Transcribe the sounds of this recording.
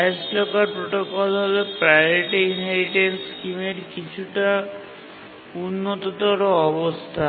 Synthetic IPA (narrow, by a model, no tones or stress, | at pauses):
sʈlɔkaɾpɾoʈɔkɔlɦɔlpɾajɔɾiʈiinɦeɾiʈenskimeɾkit͡ʃʰuʈa | unːɔt̪ɔd̪ɔɾɔɔbɔst̪ʰa